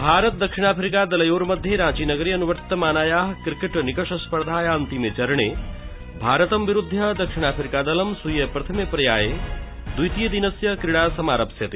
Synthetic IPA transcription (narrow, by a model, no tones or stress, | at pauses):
bʱaːɾət̪̚d̪ɐkʂiɳ̃aːpʰɾikad̪ɐlɐjoːɾmɐd̪ʱːjeɾãːt͡ʃiːnɐɡəɾiɐnuʋəɾt̪ːɐmaːnaːjaːɦkɾikeʈnikɐʂɐspɐɾd̪ʱaːjaːnt̪imet͡ʃɐɾɳ̃e | bʱaːɾət̪ɐmʋiɾud̪ʱːjɐd̪ɐkʂiɽ̃aːpʰɾikaːd̪ɐlɐmsujɐpɾɐt̪ʰɐmepɾɐjaːjed̪ujt̪ijəd̪inɐsjɐkɾiɽaːsɐmaːɾɐpsjɐt̪i